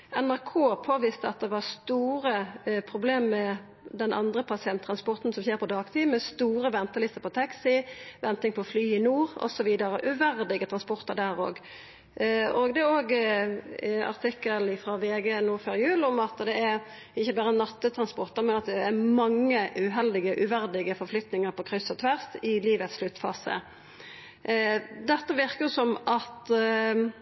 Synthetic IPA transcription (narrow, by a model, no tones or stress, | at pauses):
ɛnæɾkʰoːpʰoːʋiːst̪əɑ̰t̪̚d̪ɛʋɑʁst̪uːɾəpʰɾʊbleːmːɛ | d̪ɛnʔɑ̰nd̪ɾəpʰɑsɪɛnt̪ʰɾɑnspɔʁt̪n̩sɔmçeːɾpʰɔd̪ɑːɡt̪ʰiːmɛst̪uːɾəʋɛnt̪əlɪst̪əɾpʰɔt̪ʰɛksɪʋɛnt̪ɪŋpʰɔflyːɪnuːɾɔ̰sɔʋiːd̪əɾəʔʉʋæʁd̪ɪɡət̪ʰʁɑnspɔʁt̪əɖ̪æːɾo̰ːɡ | oːɡd̪ɛoːɡ | ɑ̰ʁt̪ʰɪkːəlɪfɾɑʋeːɡeːnuːɾføːɾjʉːlɔmɑt̪d̪ɛæɾ | ɪçːəbæːɾənɑt̪ːət̪ʰɾʁɑnspɔʁt̪əɾmɛnɑt̪d̪ɛːɾmɑŋːəʉɦɛld̪ɪɡəʔʉʋæʁd̪ɪɡəfɔɾflʏt̪nɪŋəɾpɔkʰʁʏsːɔt̪ʰʋæʁsɪliːʋət̪sʃlʉt̪ːfɑ̰ːsə̰ | d̪ɛt̪ːəʋɪʁkəjʊsɔmɑt̪